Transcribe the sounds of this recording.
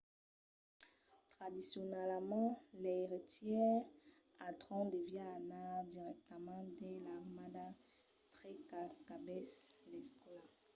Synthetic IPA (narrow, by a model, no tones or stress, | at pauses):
t̪χad̪isjɔnɛlmɑ̃lɛeʁit̪jɛʁ | at̪ʁɔ̃d̪evjɛ̃anad̪iʁɛk̚t̪əmɑ̃d̪ɛlaʁmad̪a | t̪ʁɛkakabɛslɛskla